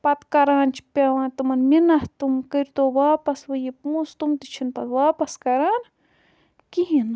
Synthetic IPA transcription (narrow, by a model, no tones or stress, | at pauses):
pɐt̪kɐɾaːnt͡ʃʰipʲaʋãːnt̪umɐnminɐht̪umkɐɾʲt̪oːwaːpɐsʋɐjipust̪umt̪it͡ʃʰinp̪ɐwaːpɐskɐɾaːn | kiɦin